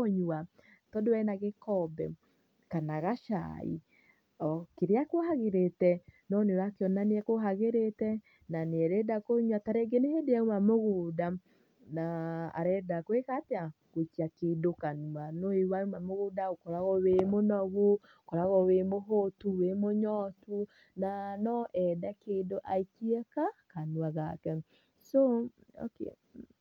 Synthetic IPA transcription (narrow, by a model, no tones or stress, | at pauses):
oɲua | tɔdowɛnaɣekɔbɛ̰ | kanaɣaʃa̰ḭ | ɔkeɾeakwohaɣeɾetɛnɔneoɾakeɔnaneɛkoɦaɣeɾetɛ | naneɛɾɛdakoɲwataɾeɡenehedeɛumamoɣuːda | naa̰ɾɛdakowekateakoit͡ʃiakedokanuanoewaumamoɣudaokɔɾaɣɔwemonɔɣu | kɔɾaɣɔwemoɦotuwemoɲɔtu | nanɔʔɛdɛkendoʔaikiɛkakanuaɣakɛ | soo̰kḛ